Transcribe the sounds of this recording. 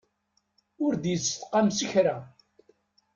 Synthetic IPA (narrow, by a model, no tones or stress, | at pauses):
ʊɾd̪jət͡sːθqːɑmsiçɾa